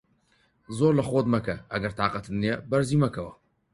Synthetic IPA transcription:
zoːɾlɐχoːd̪mɐkɐʔɐɡɐɾt̪ʰaːqɐt̪ʰɨnnejɛbɐɾziːmɐkʰɐwɐ

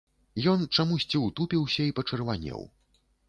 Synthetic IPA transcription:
jɔnt͡ʂamusʲt͡sʲiwt̪upʲiwsʲɐipɐt͡ʂɨrvanʲːɛ̰w

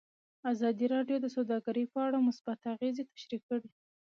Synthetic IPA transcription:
azɑd̪iɾɑɖjod̪əsawd̪ɑɡaɾəjpəaɽamʊsbat̪aɣezet̪ḁʃɾikːəɽi

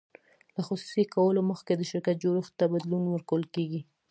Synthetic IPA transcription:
laxusu̥sikawəloməxked̪əʃɪɾkat̪̚d͡ʒoɾuxt̪ːabad̪lunwəɾkawəlkeɡi

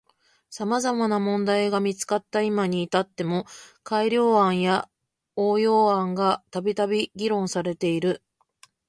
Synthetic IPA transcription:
samazamanamõ̞nd̪aiɡamʲit͡sɨ̥kat̪ːaimaɲ̟iːt̪at̪ːe̞mo̞kaiɾʲo̞ːãɰ̃ja | oːjo̞ːãŋɡat̪abʲit̪abʲiɡʲiɾõ̞ɰ̃saɾe̞t̪e̞iɾɯ̟

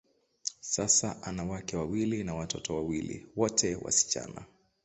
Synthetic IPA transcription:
sasaʔanawakɛwawilinawatɔtɔwawilḭwɔtʰɛwa̰si̥t͡ʃa̰na̰

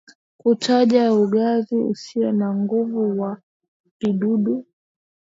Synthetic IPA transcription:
kutʰaʄauɠaziṵsiɔnaŋɡuvuwa | piɗuɗu

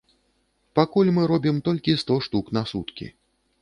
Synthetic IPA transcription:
pakulʲmɨɾɔbʲimt̪ɔlʲkʲist̪ɔʂt̪uknasut̪kʲḭ

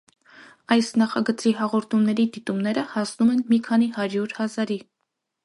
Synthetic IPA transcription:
ɑjsnɑχɑɡət͡siɦɑʁɔɾt̪ʰumnɛɾid̪it̪umnɛɾəhɑsnumɛnmikʰɑnihɑɾjuɾhɑzɑɾi

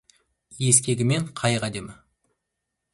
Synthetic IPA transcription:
je̞skʲe̞ɡʲɪme̞ɴqʰɑjʁæd̪e̞mɪ

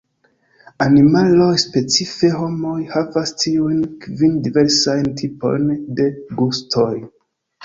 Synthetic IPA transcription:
animalo̞jspe̞t͡sife̞ɦo̞mo̞jhavastʰiujnkvindive̞ɾsajntʰipo̞̰jnde̞ɡustʰo̞j

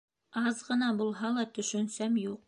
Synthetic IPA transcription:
ɑzʁɤ̆nɑbulˠɦɑlˠɑt̪ɵ̆ʃɵ̆nsæmjuq̚

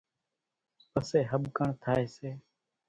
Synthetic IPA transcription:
pəseːɦəɓkəɳt̪ʰaːeːseː

